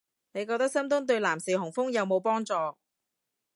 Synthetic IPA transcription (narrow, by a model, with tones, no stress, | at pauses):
ne˨˧jk̬ɔː˧t̪ɐ˥k̚sɐ˥mt̪ʊ˥ŋt̪ɵ˧ɥlaː˨˩msiː˨˩hʊ˨˩ŋfʊ˥ŋjɐ˨˧wmo˨˧wpɔː˥ŋt͡sɔː˧